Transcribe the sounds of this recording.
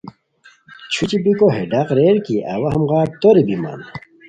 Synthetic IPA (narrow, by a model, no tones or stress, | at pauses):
t͡ɕʰut͡ɕibikoɦeɖaqɾeɾkiʔɐ̰wɐɦɐmʁaːɾ̚t̪oɾibima̰n